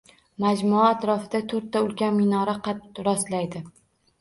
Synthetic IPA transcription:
mad͡ʒmʊaːt̪ɾɒfɪd̪at̪ʰɵɾt̪ʰːaʊlɡʲanmɪnɒɾaqʰɑt̪ɾɒst̪lajd̪ɪ

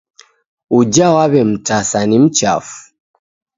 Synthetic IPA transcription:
ud͡ʒawaβɛm̩tasanim̩t͡ʃa̰fu̥

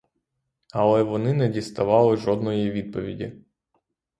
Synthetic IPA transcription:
ɐlˠɛʋɔnɪnɛdʲist̪ɐʋɑlˠɪʒɔd̪nɔjiʋʲid̪̚pɔʋʲḭdʲḭ

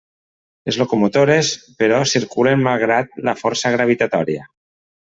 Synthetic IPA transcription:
lezlokumot̪oɾespeɾɔsiɾkulenmalˠɣ̞ɾat̪̚lafɔɾsaɣ̞ɾaβ̞it̪at̪ɔɾia

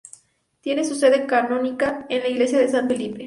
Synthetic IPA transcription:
t̪je̞ne̞suse̞ðe̞kanõ̞nikaenlaiɣle̞sjaðe̞saɱfelipe

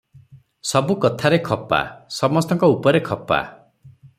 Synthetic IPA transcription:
sɔbukɔt̪ʰaɾekʰɔpa̰sɔmɔst̪ɔŋkɔupɔɾekʰɔpa̰

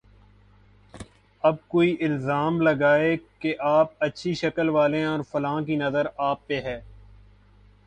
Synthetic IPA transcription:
ɐb̚koːiʔɪlzaːmlɐɡaːekeʔaːp̚ɐtːʃʰiʃɐkəlʋaːlẽɔːɾfɐlãːkinɐzəɾaːpːeɦɛː

